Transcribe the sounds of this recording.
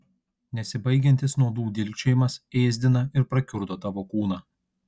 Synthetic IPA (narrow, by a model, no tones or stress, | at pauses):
nʲɛsʲɪbɐɪɡʲɛnʲt̪ʲɪsnuɔd̪uːd̪ʲɪlʲkʲt͡ʃʲɛjɪmɐseːzʲd̪ʲɪnɐɪɾpɾɐkʲʊɾd̪oːt̪ɑːʋoːkuːnɑː